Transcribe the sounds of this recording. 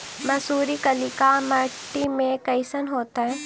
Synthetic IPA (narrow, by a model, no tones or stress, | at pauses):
mɐsuːɾikɐlɪkamɐɾʈːimẽkɐɪsənɦoːt̪aɦɛ̃ː